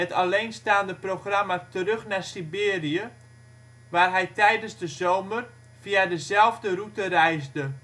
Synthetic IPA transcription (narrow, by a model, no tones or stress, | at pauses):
ətalejnstaːndəproxramatərɵxnasibɪːriə | ʋaːrɦɛjtɛjdənzdəzoːmər | v̥iadəzɛlˠvdərutərɛjzdə